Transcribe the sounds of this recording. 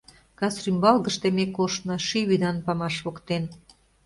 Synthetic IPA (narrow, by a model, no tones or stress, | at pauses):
kɑsrymbɑlɣə̆ʃt̪emekoʃt̪nɤ̆ʃiβyd̪ɑnpɑmɑʃβokt̪en